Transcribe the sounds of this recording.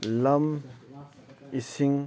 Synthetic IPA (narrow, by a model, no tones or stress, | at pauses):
lɐm | isiŋ